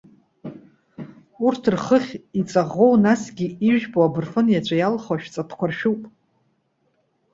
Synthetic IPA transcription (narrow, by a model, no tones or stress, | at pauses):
urtʰrχəχʲit͡sʼaʁo̞wnasɡʲiiʒᶣboabɨrfɨnjat͡ɕʷʰajalχaʃᶣt͡sʼatʰkʷʰarʃᶣupʼ